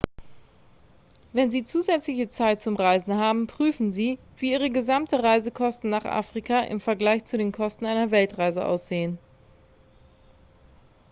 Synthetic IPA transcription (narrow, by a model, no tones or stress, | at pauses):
vɛnziːt͡suːzɛt͡slɪçət͡saɪt̚t͡sʊmʁaɪzn̩ɦaːbm̩pʁ̥yːfn̩ziː | viːʔiːʁəɡəzamtəʁaɪzəkʰɔstn̩naːχʔa̰ːfʁ̥ikʰaʔɪ̰mfɛɐɡlaɪçt͡sudeːnkʰɔstn̩aɪnɐvɛltʁaɪzəʔa̰ʊsz̥eːən